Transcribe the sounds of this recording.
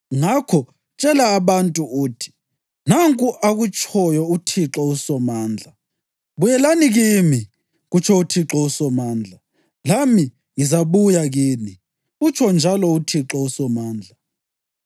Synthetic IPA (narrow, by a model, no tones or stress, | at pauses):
ŋakʰɔ | t͡ʃʼɛlaːβantʼuuːtʰi̥ | naŋkʼuʔaɣut͡ʃʼʰɔjɔutʰiǁɔusɔmaːnd͡ɮʱa | βujɛlaniɣimi | ɣut͡ʃʰɔutʰiǁɔusɔmaːnd͡ɮʱa | lami | ŋizaβujaɣiːni | ɣut͡ʃʰɔnd͡ʒʱalɔutʰiǁɔusɔmaːnd͡ɮʱa